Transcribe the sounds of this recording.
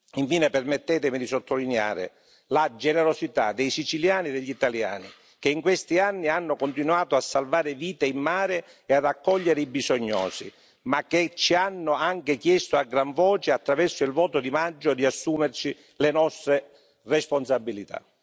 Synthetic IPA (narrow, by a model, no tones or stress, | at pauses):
iɱfiːnepɛrmet̪ːɛːt̪̬ɪmid̪isot̪ʰːolinɛa̰ːɾɪ̰ | lad͡ʒɛnɛɾosit̪a̰d̪ejsit͡ʃiljaːnid̪eʎːit̪alja̰ːni | keiŋkwest̪ianːianːʊkont̪̬inwaːt̪oasːalvaːɾɪviːt̪eimːaːɾɪ | ead̪akːɔʎːeɾeibizoɲːɔ̰ːsḭ | mak̟ːet͡ʃianːʊaŋkɪkjɛst̪oaɡɾaɱvɔːt͡ʃeat̪ːɾavɛrsoilvɔːt̪ʊd̪imad͡ʒːod̪iasːuːmersi | lenɔst̪ɾe | respons̬abːilit̪a̰